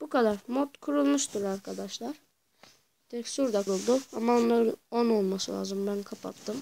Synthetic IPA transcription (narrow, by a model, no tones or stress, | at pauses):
b̥ukad̪aɾmot̪kʰuɾulˠmuʃt̪ʰuɾaɾkʰad̪aʃlˠaɾ | t̪ʰɛcsuɾd̪akʰɾulˠd̪uamaonlˠaɾɯonolˠmasɯlʲˠa̰ːzɯmbænkʰapʰa̰t̪ʰːɯm